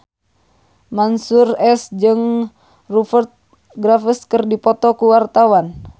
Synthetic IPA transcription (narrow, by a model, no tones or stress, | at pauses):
mansurɛsd͡ʒɨŋ | rufərt̪̚ | ɡɾafəskərdipɔt̪ɔkuwart̪awan